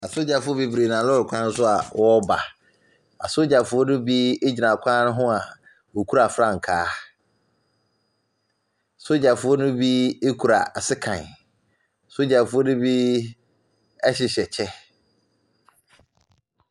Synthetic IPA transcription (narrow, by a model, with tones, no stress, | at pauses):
a˨so˦d͡ʑa˨fʊ˦ɔ˦bi˦bɾe˨nã˨lɔ˦˨kʷʰã˦n̩˦sʊ˦a˨wʔɔ˦ba˨ | a̰˨so˦d͡ʑa˨fʊ˦ɔ˦nʊ̃˦bi˦e˦d͡ʑi˨nã˨kʷʰã˦nʊ̃˦ɦʊ̃˦a˨ | wo˨kʰu˦ɾa˨fɾa˦˨ŋ̩˨kʰaː˦˨ | so˦d͡ʑa˨fʊ˦ɔ˦nʊ̃˦bi˦e˦kʰu˨ɾa˨sɪ˦kʰã̰˨n˨ | so˦d͡ʑa˨fʊ˦ɔ˦nʊ̃˦bi˦ | ɛ˦ɕɪ˨ɕɛ˨t͡ɕʰɛ˦